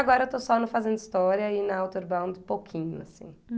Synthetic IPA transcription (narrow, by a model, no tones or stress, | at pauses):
aɡɔɾɐewt̪osɔnɐ̃fazẽnd̪ʊist̪ɔɾiɐinɐawt̪oɾbãw̃d̪ɪpowkʰĩɲʊ̰a̰sḭ̃